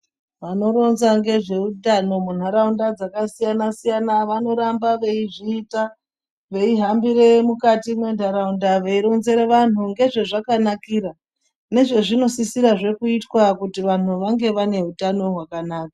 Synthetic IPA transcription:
ʋano̞ɾo̞nzaŋɡe̞ʐe̞utano̞mun̤aɾaundad͡zakasijanasijanaʋano̞ɾambaʋe̞iʐiːta | ʋe̞iɦambiɾe̞mukatimwe̞n̤aɾaundaʋe̞iɾo̞nze̞ɾeʋan̤uŋɡe̞ʐe̞ʐakanakiːɾa | ne̞ʐe̞ʐino̞sisiɾaʐe̞kuitwakutiʋan̤uʋaŋɡe̞ʋane̞ɦutano̞ɦwakanaːkḁ

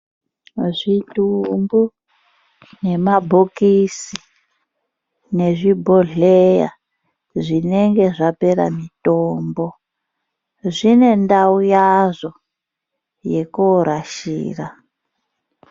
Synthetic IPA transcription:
ʐitumbu | ne̞mabʱokisi | ne̞ʐibʱoɮeja̰ | ʐineŋɡe̞ʐapeɾa̰mitoːmbo | ʐine̞ndaujazo | jekoɾaʃḭːra

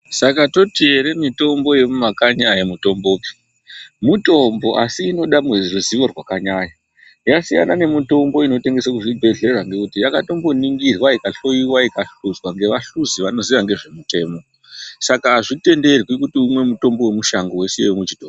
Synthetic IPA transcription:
sakato̞tieɾemito̞mbo̞je̞mumakaɲiajemuto̞mbo̞ːpi̥ | muto̞mbo̞ʔasiːno̞ɗamweruziʋo̞rwakaɲaːɲa | jasija̰nane̞mito̞mbo̞ino̞te̞ŋɡe̞sakuʐibʱe̞ɮe̞rwaŋɡe̞kutijakato̞mbo̞niŋɡirwaikaɬo̞iwaikaɬuzwaŋɡe̞ʋaɬuziʋano̞ziʋaŋɡe̞ʐe̞mute̞ːmo̞ | sakaʐite̞nde̞rwikutiumwe̞muto̞mbowemuʃaŋɡo̞we̞sejewumwet͡ʃitoː

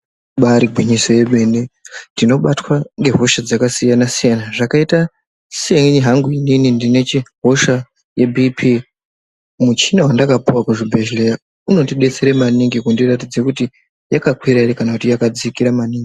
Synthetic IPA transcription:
ɓaɾiɡʱwiɲiso̞je̞ɓe̞ːnendino̞ɓatwaŋɡe̞ɦo̞ʃad͡zakasijanasijanaʐakaita | siaŋiɦaŋɡuininindine̞t͡ʃiɦo̞ʃa | jebʱipʰi | mut͡ʃinawandakapuwakuʐibʱe̞ʒleja | uno̞tiɗe̞t͡se̞ɾemaniŋɡikundiratid͡zekuti | jakakwiɾaiɾekanakutijakad͡zikiɾamaniːŋɡi

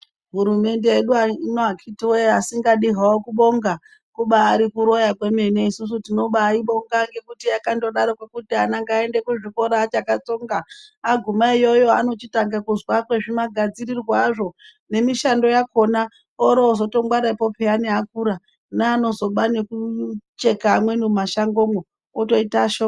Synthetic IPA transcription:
ɦuɾume̞nde̞eɗuainoakʰitiwejasiŋɡaɗiɦawokuɓo̞ŋɡa | kuɓaːɾikuɾo̞jakwe̞me̞ne̞isus̬utino̞ɓaːiɓo̞ŋɡaŋɡe̞kutiakando̞ɗaɾokwekutianaŋɡaendekuʐiko̞ɾaːt͡ʃakat͡so̞ŋɡaːɡʱumaijo̞jo̞ano̞t͡ʃitaŋɡakuzwakwe̞ʐimaɡʱad͡ziɾirwaʐo̞ | ne̞miʃando̞jako̞na | oɾoːzo̞to̞mɡwaɾaipo̞peaneɦak̚uɾa | naːno̞zo̞ɓane̞kut͡ʃe̞kaːmwe̞numaʃaŋɡo̞mwe | oto̞itaʃo

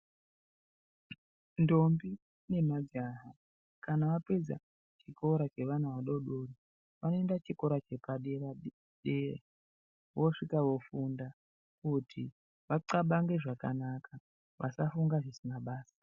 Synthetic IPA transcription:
ndo̞mbi | ne̞mad͡zaɦa | kanaʋaped͡za̰ | t͡ʃikʰo̞ɾat͡ʃe̞ʋan̤uʋaɗo̞ɗori | ʋano̞endat͡ʃiko̞ɾat͡ʃe̞kaɗera | ɗerḛ | ʋo̞ʂikaʋo̞funda | kutʰi | ʋaǀaɓaŋɡe̞ʐakanakʰa | ʋʔa̰safuŋɡaʐisinaɓaːsḁ

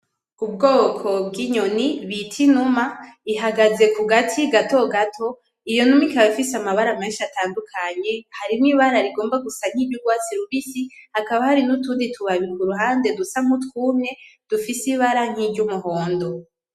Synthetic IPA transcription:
ubɡoːkʰo̞bɡiɲoniβitʰinumaiɦaɡaze̞kuɡatʰiɡato̞ɡatʰo̞ | ijo̞numikaβifisamaβaɾamenʃataːndukʰaɲe̞haɾimŋiβaɾaɾiɡo̞ːmbaɡusaŋ̥iːbɟuɡwaːt͡siɾuβisihakaβahaɾinutuːnditʰuβaβikuɾuɦaːnde̞dusam̥utkuːmɲe̞d̥ufisiβaɾaŋ̥iːbɟumuɦo̞ːndo̞

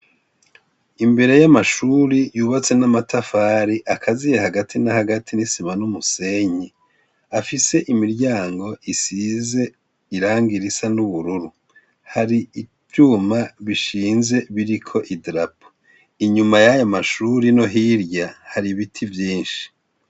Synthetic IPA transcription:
imbe̞ɾe̞jamaʃuɾijuːβat͡se̞namatʰafaːɾiʔakʰazijehaɡatʰinahaɡatʰinisimanumuse̞ɲe | afise̞ʔimiɾɟaːŋɡo̞ʔisize̞ | iɾaːŋɡiɾisanuβuɾuɾu | haɾi | vjuːmaβiʃiːnze̞βiɾikʰo̞ʔidɾapo̥ | iɲumajajamaʃuːɾino̞ɦiɾɟahaɾiβitʰivjiːnʃi̥

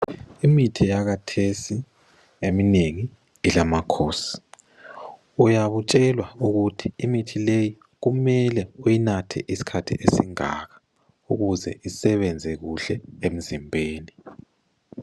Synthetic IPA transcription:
imitʰijaɣatʰesi | emineŋi | ilamakʰoːsi̥ | ujaβut͡ʃʼɛlwauɣutʰiimitʰileji | ɣumɛlɛujinatʰɛ̰ʔisi̥kʰatʰḭʔesiŋa̰ɣa | uɣuzɛ̰ʔisɛβɛnd͡zʱɛɣuɬɛem̩zimbʱeːni

